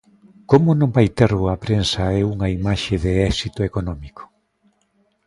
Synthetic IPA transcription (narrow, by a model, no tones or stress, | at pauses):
komʊnõŋbajt̪eɾɣoɐpɾensɐɛuŋɐimaʃeðeɛsit̪ʊekonɔmiko̥